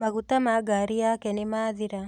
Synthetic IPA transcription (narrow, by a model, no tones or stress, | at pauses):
maɣutamaɡaɾijakɛnɪmaːðiɾa